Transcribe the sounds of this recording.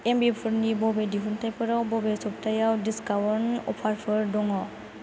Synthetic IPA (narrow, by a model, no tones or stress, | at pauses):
embipʰuɾnibɔbediɦʰuntʰajpʰɯɾawbɔbesɔp̚tʰajawdiskawɔɾnɔ̰pʰaɾpʰɯɾdɔŋɔ